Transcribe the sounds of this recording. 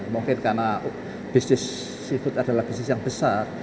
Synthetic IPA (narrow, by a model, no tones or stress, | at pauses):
muŋkɪnkana | b̥isnɪsː | ifʊt̪ad̥a̤lahb̥isnɪsjaŋb̥əsar